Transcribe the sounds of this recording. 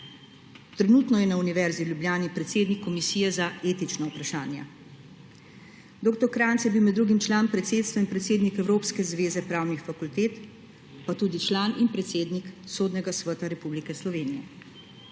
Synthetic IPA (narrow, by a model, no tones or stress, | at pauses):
t̪ɾɛnuːt̪nɔjɛnauniʋɛɾziwljubljaːnipɾɛt̪seːd̪nikʰːɔmisiːjɛzaeːt̪it͡ʃnaupɾaʃaːnja̰ | d̪oːkt̪ɔɾkɾaːnt̪sjɛbiwmɛd̪ːɾuːɡimt͡ʃlaːnpɾɛt̪seːt̪st̪ʋainpɾɛt̪seːd̪nikɛwɾoːpskɛzʋeːzɛpɾaːwnixfakult̪eːt̪ | pat̪uːd̪it͡ʃlaːninpɾɛt̪seːd̪niksoːd̪nɛɡasʋət̪aɾɛpublikɛslɔʋeːnijɛ̰